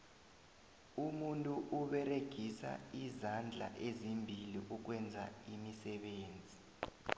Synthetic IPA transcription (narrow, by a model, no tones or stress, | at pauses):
umuntʼuʔuɓɛreɡ̥ʱisa̰izand͡ɮʱa̰ʔezimbʱiliʔuk̬wɛnd͡zʱa̰imisɛɓeːnd͡zʱi